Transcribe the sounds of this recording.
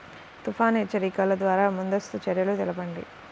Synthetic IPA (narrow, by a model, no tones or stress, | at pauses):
t̪upʰaːneːt͡ʃɐɾiːkaːlɐd̪ʋaːɾaːmund̪ɐst̪ut͡ʃɐɾjɐlut̪ɛlɐpɐɳɖḭ